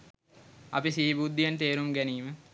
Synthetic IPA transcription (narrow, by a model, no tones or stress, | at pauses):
ɐ̰pisiːbud̪ːijənt̪eːɾumɡæniːmə